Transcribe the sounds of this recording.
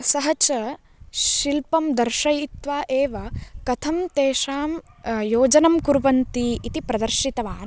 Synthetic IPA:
sɐɦɐt͡ʃɐ | ʃilpɐmd̪ɐɾʃɐjit̪ʋaːʔeːʋɐkɐt̪ʰɐmt̪eːʃaːm | joːd͡ʒɐnɐmkuɾʋɐnt̪iːt̪ipɾɐd̪ɐɾʃit̪ɐʋaːn

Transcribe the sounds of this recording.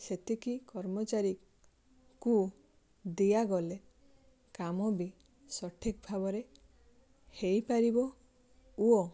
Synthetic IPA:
set̪ʰikikɔɾmɔt͡ʃaɾi | ku | d̪ijaɡɔle | kamɔbi | sɔʈʰik̚bʱabɔɾe | hejpaɾibɔ | uo

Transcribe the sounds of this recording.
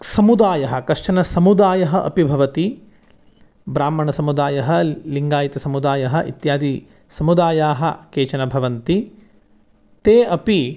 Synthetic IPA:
sɐmud̪aːjɐɦɐkɐʂʂɐnɐsɐmud̪aːjɐɦɐʔɐ̰pibʱɐʋɐt̪i | bɾaːmːɐɳɐsɐmud̪aːjɐɦɐliŋɡaːjit̪ɐsɐmud̪aːjɐɦɐʔḭt̪jaːd̪i | sɐmud̪aːjaːɦɐ̆keːt͡ʃɐnɐbʱɐʋɐnt̪i | t̪eːɐpi

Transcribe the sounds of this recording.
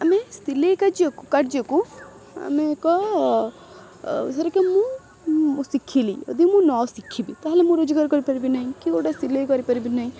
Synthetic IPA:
ɐmest̪ilekad͡ʒekukɐʈd͡ʒeku | ɐ̰mekɔ | sɐɾekemũ | sikʰːilḭɔ̰d̪imũnɔsikʰːibit̪aɦlemũɾod͡ʒɡaɾkɔɾipɐɾibinaɦĩkikoʈast̪ilekɔɾipɐɾibinaĩ

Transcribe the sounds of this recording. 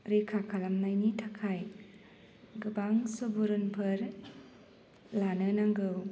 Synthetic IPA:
ɾikʰakʰalamnajnitʰakʰaj | ɡɯbaŋsɯbuɾɯnpʰɯɾ | lanɯnaŋɡɯw

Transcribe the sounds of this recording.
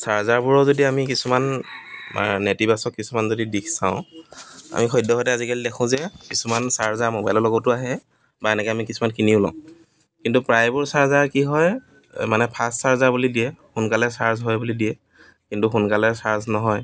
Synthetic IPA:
saɹzaɹbuɹɔzodiamikisuman | a̰netibasɔkkisumanzodidikʰsãʊ̃ | a̰mixɔjdɔɦɔtɛazikalidɛkʰʊ̃zɛkisumansaɹzaɹmobajlɔlɔɡɔtʊaɦɛ | baɛnɛkɛamikisumankiniʊlɔ̰̃ | kintupɹajbuɹsaɹzaɹkiɦɔj | manɛpʰastsaɹzabulidiɛxʊnkalɛsaɹzɦɔjbulidiɛ | kintuxunkalɛsaɹznɔɦɔj

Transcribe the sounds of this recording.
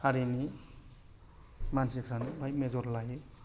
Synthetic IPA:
aɾini | mansikʰɾanbajmed͡zoɾlaɦi

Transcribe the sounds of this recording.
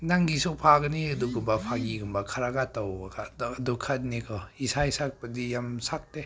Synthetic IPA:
naŋɡisɔpʰaɡɯniɯduɡɯmbapʰaɡiɡɯmbakʰaɾaɡatːɔwadukʰat̚nikʰɔisajsak̚badijamsak̚de

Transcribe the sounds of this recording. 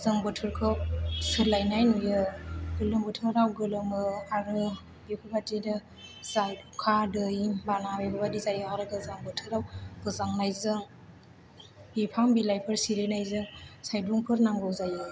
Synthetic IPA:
zaŋbɔtʰɯɾkʰɯsɯlajnajnujɯɡɯlɯŋbɯtʰɯɾawɡɯlɯŋɯaɡɯ | bikʰubatidɯ | z̥ajkʰadɯjbanabebabadizajɯaɾɯɡɯzaŋbɔtʰɯɾawɡ̥ɯzaŋnajzɯŋ | bipʰaŋbilajpʰɯɾsiɾenajzɯŋsajduŋpʰɯɾnaŋɡɯwzajɯ

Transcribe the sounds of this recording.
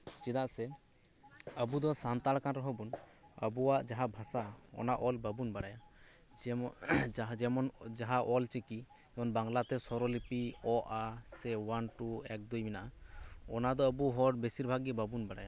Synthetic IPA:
t͡ʃid̪aʔsɛ | əbud̪ɔsant̪aɽkanɾɔɦɔbunə̰buaʔd͡ʒaɦabʱasaɔ̰naʔɔlbəbunbaɽaja | d͡ʒɛmɔnd͡ʒaɦaʔɔlt͡ʃeki | ɛmɔnbaŋlat̪ɛsɔɾɔlipiɔʔasɛwanʈuɛk̚d̪ujminaʔaɔ̰nad̪ɔəbuɦɔɽbesiɾbʱaɡbəbunbaɽaja

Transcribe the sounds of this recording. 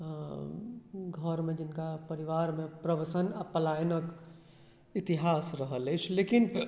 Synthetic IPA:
ɡʱəɾmẽd͡ʒɪnkapəɾiʋaːɾmẽpɾəʋəsənapəlaːjənək | ɪt̪iɦaːsɾəɦələt͡ʃʰleːkɪn

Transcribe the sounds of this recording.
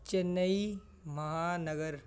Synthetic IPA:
t͡ʃɐnːəi | mɐɦaːnɐɡəɾ

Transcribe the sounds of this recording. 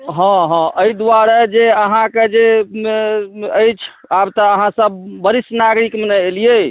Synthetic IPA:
ɦɔ̃ɦɔ̃əid̪waɾɛd͡ʒeəɦãked͡ʒe | əjt͡ʃʰabt̪əːɦãsəb̚ːəɾisnaɡɾikmenəelije

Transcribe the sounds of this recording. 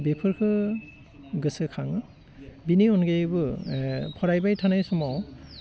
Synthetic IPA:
bepʰɯɹkʰɯ | ɡɯsɯkʰaŋ | biniɔnɡebɯ | pʰɔɹajbajtʰanajsɔmɔw

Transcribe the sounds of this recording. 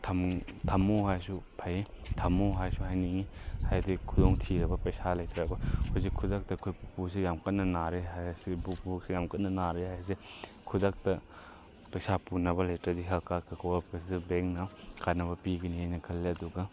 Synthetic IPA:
tʰɐmtʰɐmːoɦajsupʰajitʰɐmoɦajsuɦajniŋihajdikʰudoŋtʰiɾɐbɐpɐjsalɐjtɾɐbɐhozikʰːudak̚tɐːkʰojpusijamkɐtnɐnaɾeɦajsibukbuk̚sijamkɐtnɐnaɾehajɐse | kʰudak̚tɐ | pɐjsapunɐbɐlajtɾɐdiɦɐkakʰɐkʰowbɐpɐsdbeŋ̚nɐkanɐbɐpiɡiniɦajnɐkʰɐlːeɐduɡɐ

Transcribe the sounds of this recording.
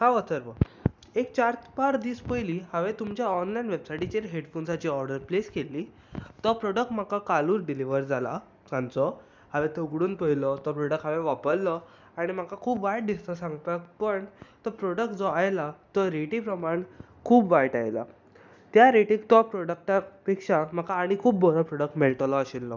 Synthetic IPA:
ɦãʋət̪əɾʋə | ekt͡ɕaɾt̪paɾd̪iːspəjliːɦaʋẽt̪umt͡ɕjaɔnlajnʋebsajʈit͡ɕeɾɦeɽfonsat͡ɕiːɔɾɖəɾpleskelːiː | t̪ɔpɾɔɽək̚ʈm̤akakaluːɾɖiliʋəɾd͡zala̰ | sãnt͡sɔ | haʋet̪ɔuɡɽuːnpəɦilɔt̪ɔpɾɔɽək̚ʈɦaʋeʋapəɭːɔ | aɽ̃im̤akakʰuːpʋajʈ̚d̪ist̪ɔsãŋɡpakpəɳt̪ɔpɾɔɽək̚ʈ̚d͡zɔajlat̪ɔɾeʈiːpɾəmaɳ | kʰuːbʋajʈa̰jla̰ | t̪jaɾeʈĩkt̪ɔpɾɔɽək̚ʈapikʂam̤akaːɽ̃ikʰuːbːɔɭapɾɔɽək̚ʈmeɭʈəlɔɕilːɔ

